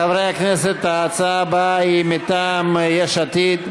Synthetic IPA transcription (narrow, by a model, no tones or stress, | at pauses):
avɾejakneset̪ːaːt͡sabaimit̪amjeʃat̪id̪